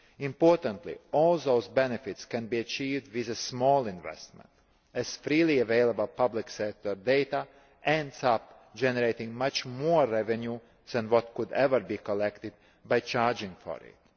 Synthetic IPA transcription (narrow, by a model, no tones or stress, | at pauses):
ĩmpɔɾt̪ə̃nt̪lḭɔlˠðoʊzbɛnɛfit̪skæ̃nbiːat͡ʃiːvd̪ʋizəsmɔːlˠĩnvɛ̰st̪mɛ̰̃nt̪ | æz̥fɾiːlˠiaveɪlˠabəlˠpabliksɛk̚t̪ɔɾd̪eɪt̪a | ɛ̃nd̪sap | d͡ʒɛnɛɾeɪt̪ĩŋmat͡ʃmoɾːɛvɛ̃nju | ð̥ɛ̃nwɔt̪kʊd̪ɛvəɾbiːkɔlɛkt̪ɪd̪̚ | bajt͡ʃaɾd͡ʒĩŋfɔ̰ɾɪ̰t̪